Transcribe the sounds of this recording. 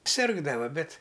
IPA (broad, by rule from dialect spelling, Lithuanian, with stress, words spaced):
ˈsʲɪrɡdɐʋɐ ˈbʲɛt